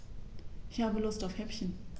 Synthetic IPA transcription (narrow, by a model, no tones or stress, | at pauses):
ʔɪçhaːbəlʊstaʊfhɛpçən